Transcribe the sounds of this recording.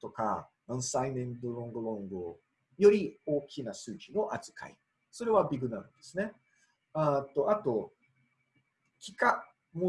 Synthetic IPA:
t̪o̞ka̰nãɰ̃sainẽnd̪oɾõ̞ŋɡɯ̟ɾõ̞ŋɡɯ | jo̞ɾʲio̞ːkʲinasɨːt͡ɕino̞ʔat͡sɨ̥ka̰ḭ | so̞ɾe̞βabʲiɡɯ̟naɾɯ̟̃d̪e̞sɨne̞ | at̪o̞at̪o̞ | kʲi̥ka | mo

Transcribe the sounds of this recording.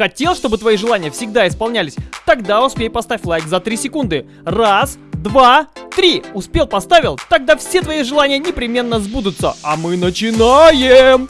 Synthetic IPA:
xɐtʲe̞lˠʂt̪o̞bɨt̪vɐiʐɨlˠanʲɪjəfsʲɪɡd̪aɪspɐlˠnʲælʲɪsʲt̪ɐɡd̪aʊspʲejpɐst̪afʲlˠajɡzɐt̪ɾʲisʲɪkund̪ɨ | rasd̪vat̪ɾʲiʊspʲe̞lˠpɐst̪avʲɪlˠt̪ɐɡ̚d̪afsʲe̞t̪vɐiʐɨlˠanʲɪjənʲɪpɾʲɪmʲe̞nːəzbud̪ʊt̪səamɨnət͡ɕɪnajɪm

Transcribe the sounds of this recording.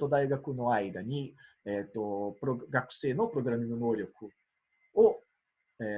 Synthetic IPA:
t̪od̪ajɡakunõajd̪anʲi | ɛt̪opɾoɡaku̥senopɾoɡɾaminonoɾʲjokʰu | o | ɛ

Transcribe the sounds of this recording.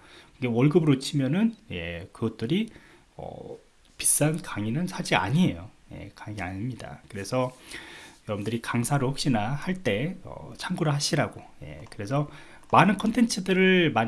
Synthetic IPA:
kɯŋɡewʌɭɡɯbɯɾot͡ɕʰimjʌnɯnje̞kɯɡʌt̚t͈ɯɾi | ʌ̰ | pi̥s͈ankaŋinɯnsʰad͡ʑia̰ɲie̞jo | je̞̰kaŋia̰ɲmɲida̰kɯɾe̞sʰʌ | jʌʌmndɯɾikaŋsʰaɾɯhok̚ɕ͈inahaɭt͈e̞ʌ̰t͡ɕʰaŋɡoɾɯɭɦaɕʰiɾaɡoje̞̰kɯɾe̞sʰʌ | manɯnkʰʌntʰent͡ɕʰɯdɯɾɯɭmaɲ

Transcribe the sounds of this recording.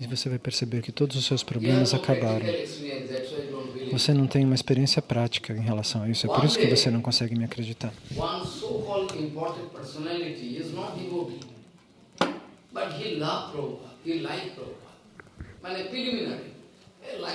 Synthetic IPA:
ɪvosevajpeɾsebeɾkɪt̪od̪ʊzʊsewspɾoblẽmɐzakabaɾɐ̃w̃siɛ̃nɛʈsoedõnwivosenɐ̃w̃t̪ẽj̃ũmɐispeɾiẽsiɐpɾat͡ʃi̥kɐẽj̃ɦelasɐ̃w̃aisʊɛpoɾisʊ̥kɪvosenɐ̃w̃kõsɛɡɪmɪakɾed͡ʒit̪aɾwɐ̃nsokɔldɪ̃mpɔɾʈə̃nʈ̚pəɾsɔnɛlɪʈiɪznɔʈimobi | bɐʈɦilɐvpɾopahilaɪkpɾopa | mãnɛpɾilumina̰ɾlḭ | la

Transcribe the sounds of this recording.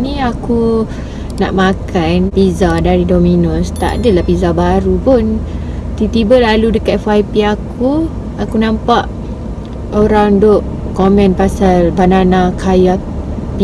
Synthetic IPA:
nĩaku | na̰ʔmakanpizadaɾidominʊst̪a̰ʔdəlahpizabaɾupun | t̪it̪ibəlaludəkat̪̚fuajpiakʰu | akunãmpaʔ | oɾandʊʔ | komɛ̃npasalbananakʰaja | pi

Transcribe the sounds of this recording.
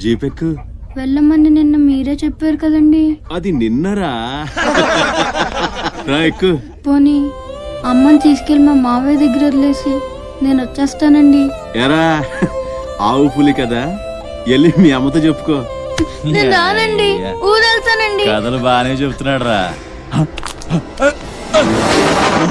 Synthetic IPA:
d͡ʒiːpekːu | ʋɛɭːɐmɐnd̪ininːɐmiːɾe̞ːt͡ʃepːeːɾukɐd̪ɐɳɖiɐd̪ininːɐɾaː | ɾaːekːu | poːniɐmːɐnit̪iːskelmaːmaːʋe̞ːd̪ɐɡːɐɾɐɾleːsi | ne̞ːnot͡ʃːɛːst̪aːnɐɳɖi | ɛːɾaː | aːwupulikɐd̪aː | elːimiːɐmːɐt̪̬oːt͡ʃepːu̥koːneːnd̪aːnɐɳɖiuːd̪ɐlt̪aːnɐɳɖiɐd̪ɐlubaːnet͡ʃebut̪unːaːɽɾa̰ː

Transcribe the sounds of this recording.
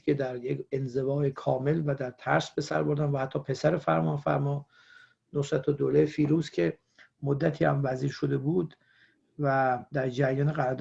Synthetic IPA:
kʰe̞d̪æɾjekenze̞vɒːjekʰɒːme̞lvæd̪æɾt̪ʰæ̰ɾsbe̞sæɾbo̞ɾd̪ænvæhæt̪ʰːɒːpʰe̞sæɾefæɾmɒːnfæ̰ɾmɒː | nosɾæt̪ʰod̪olefiːɾuːzkcʰe̞ | mod̪ːæt̪ʰiːhæ̰mvæziːɾʃod̪e̞buːd̪ | væd̪æɾd͡ʒæɾjɒːneɣæɾd̪

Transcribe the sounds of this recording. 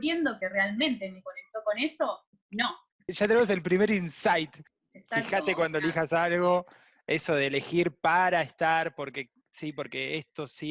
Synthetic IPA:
ɾjend̪okerealmẽnt̪e̞me̞ko̞ne̞k̚t̪o̞ko̞ne̞so̞ | no | ʒat̪̬enemose̞lpɾime̞ɾinsajt̪ | esfaixat̪ekwand̪olixasalɣo̞ | e̞so̞ðeːle̞xiɾpaɾaest̪aɾpo̞ɾke̞ | sipo̞ɾke̞est̪o̞si

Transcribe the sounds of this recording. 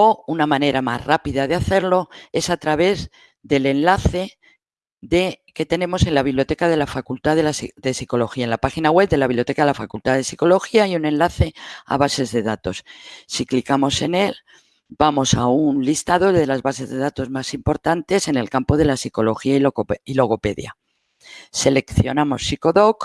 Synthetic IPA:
o̞unamãne̞ɾʔama̰zrapiðað̞eaθe̞ɾlo̞e̞sat̪ɾaβe̞ð | ðe̞le̞nlaθe̞ | ðe̞ke̞t̪e̞nẽ̞mo̞se̞nlaβiβljot̪e̞kað̞e̞lafakult̪aðelasðe̞siko̞lo̞xiaenlapaxinaɣwe̞β̚d̪elaβiβljo̞t̪ekaðelafakult̪aðe̞siko̞lo̞xiaiunẽ̞nlaθe̞a̰β̞ase̞zðe̞ðat̪o̞ssiklikamo̞se̞ne̞l | bamo̞saunlist̪aðo̞ðelazβase̞zðe̞ð̞at̪o̞zmasimpo̞ɾt̪ant̪e̞se̞ne̞lkampo̞ð̞e̞lasiko̞lo̞xiaioilo̞ɣo̞pe̞ðja̰ | se̞le̞kθjo̞namo̞sːiko̞ðo̞k

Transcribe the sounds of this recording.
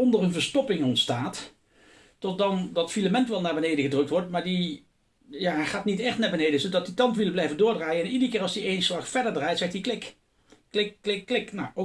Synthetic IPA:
ɔndərənvəɹstɔpɪŋɔntstaːt | tɔt̚dɑndɑtfiləmɛntʋɛlˠnaːɹbənejdəɣədrɵk̚tʋɔɹtmaːɹdi | jaːχaːtnitɛχtnaːɹbənejdəsədɑtditɑmpʋɪlˠblɛjvəndʊːɹdraːjəɛnidəɹkɪːrɑlsdiejnslɑχfɛɹdəɹdraːjtsɛxtdiklɪkː | lɪkːlɪkːlɪknawʔo

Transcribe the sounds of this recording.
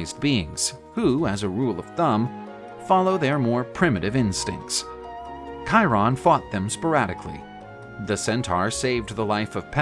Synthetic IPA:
ɪzbiɪ̰̃ŋz̥ | huɨzɨɹulˠʌv̥θʌ̃m | fɑlˠoʊðə˞mɔɹpʰɹ̥ɪ̃mɨɾɨvɪ̃nstɪ̰̃ŋk̚ts | kʰaɪɹɑ̃nfɔt̪̚ðɨ̃mspə˞æɾɨkʰlḭ | ðɨsɛ̃ntʰɑɹseɪvðəlaɪfʌv̥pʰɛ

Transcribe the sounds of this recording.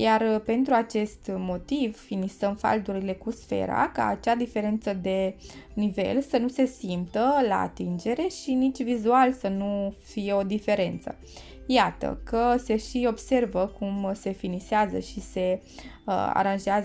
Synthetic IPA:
jarpe̞nt̪ɾuat͡ʃe̞st̪mo̞t̪ivfinisəmfa̰ld̪uɾile̞kusfe̞̰ɾa̰ka̰ːt͡ʃad̪ife̞ɾe̞nt̪səd̪e̞nive̞̰lsənuse̞simpt̪əla̰a̰t̪ind͡ʒe̞ɾe̞ʃinit͡ʃʲvizualsənufije̞o̞d̪ife̞ɾe̞nt̪sə̰ | jat̪ə̰kəse̞ʃio̞bse̞rvəkumse̞finiseazə̰ʃise̞ | a̰ɾanʒeaz

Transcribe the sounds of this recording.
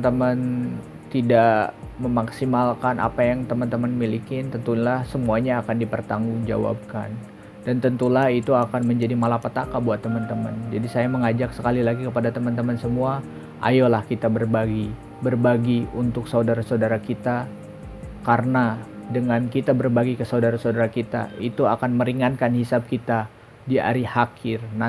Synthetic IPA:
nt̪əmən | t̪idaʔməmaksimalkanʔa̰pajaŋt̪əmənt̪əmənmilikɪnt̪ənt̪ulahsəmuaɲaːkandipərt̪aŋɡuŋd͡ʒa̰wa̰b̚ka̰n | dant̪ənt̪ulahit̪uakanməɲd͡ʒadimalapat̪akabuat̪ːəmənt̪əmə̰nd͡ʒadisajaməŋad͡ʒaksə̥kalilaɡikəpadat̪əmənt̪əmənsəmua | ʔa̰jolahkit̪abərbaɡi | bərbaɡiunt̪ʊksaudaɾasaudaɾakit̪a | kaɾənadəŋankit̪abərbaɡikəsaudaɾasaudaɾakit̪a̰it̪uakanməɾiŋankanhisab̚kit̪a | dia̰ɾihakʰɪrna

